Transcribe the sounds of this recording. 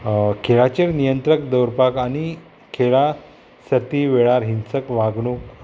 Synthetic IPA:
kʰeɭat͡ɕeɾnijənt̪ɾək̚d̪əwɾpakañi | kʰeɭa | sət̪iʋeɭaɾɦinsəkʋaɡɳuk

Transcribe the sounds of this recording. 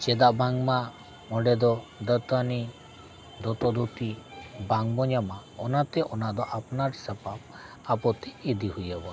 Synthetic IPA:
t͡ʃɛd̪aʔbaŋma | mɔɖɛd̪ɔd̪ət̪ani | d̪ɔt̪ɔd̪ut̪ibaŋbɔɲamaɔnat̪ɛʔɔnaʔd̪ɔʔapnaɾsəpap | apɔt̪ɛid̪ihujəbɔ

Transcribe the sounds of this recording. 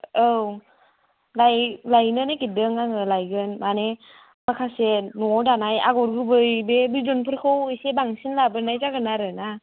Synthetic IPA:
ɯw | lajlajnɯnakidɯŋaŋɯlajɡɯnmane | makʰasenɔdanaja̰ɡɔɾɡɯbɯjbebizɔnpʰɯɾkʰɯwɯjsebaŋsinlabɯɾnajzaɡɯnaɾɯna

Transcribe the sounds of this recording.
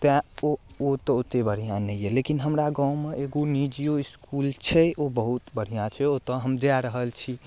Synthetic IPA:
t̪ãoot̪ɔot̪ebəɽ̤ijãnɛijelekinɦəmɾaɡãumeʔeɡonid͡ʒijoiskult͡ʃʰɛobəɦut̪bəɽ̤ijãt͡ʃʰɛot̪ɔɦəmd͡ʒaɾəɦəlt͡ʃʰi

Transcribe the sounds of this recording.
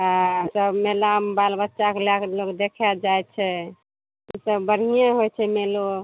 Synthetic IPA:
asəbmelambalbətːʃakelakelokd̪ekʰɛd͡ʒajt͡ʃʰɛ | isəbbəɽ̤ijãɦojt͡ʃʰɛmelo

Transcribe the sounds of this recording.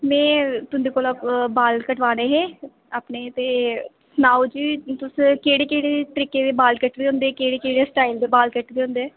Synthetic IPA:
mɛ̃ːt̪ʊnd̪eːkoːlabaːlkəʈʋaːneːɦɛ̃ː | aːpneːt̪eː | snaːd͡ʒiːt̪ʊskeːɽeːkeːɽeːʈəɾɪkeːd̪eːbaːlkəʈd̪eːʊ̃nd̪eɛːkeːɽeːkeːɽeːsʈaːɪild̪eːbaːlkəʈd̪eːɦʊ̃nd̪eɛː

